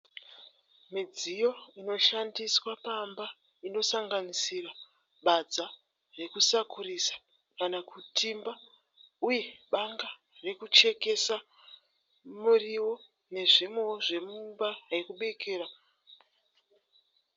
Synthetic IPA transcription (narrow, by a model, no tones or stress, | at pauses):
mid͡zijo̞ino̞ʃandiswapamba | ino̞saŋɡanisira | ɓad͡za | re̞kusakʰurisḁ | kanakʰutʰimba | uje̞ɓaŋɡa | re̞kut͡ʃe̞ke̞sa | muriwo̞ | ne̞ʐimoʐe̞mumbaekuɓe̞kʰe̞ːɾa